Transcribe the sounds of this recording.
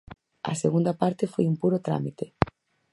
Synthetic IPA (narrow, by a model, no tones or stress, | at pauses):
a̰seɣund̪apaɾt̪efojumpuɾot̪ɾa̰mit̪e